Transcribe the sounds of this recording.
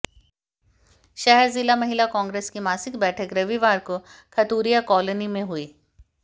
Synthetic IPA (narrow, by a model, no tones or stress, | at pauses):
ʃɛɦəɾzɪlamɐɦɪlakãːŋɡɾeːskimaːsɪkbɛːʈʰəkɾɐʋiʋaːɾkokʰɐt̪uːɾijakɔːlənimẽɦuiː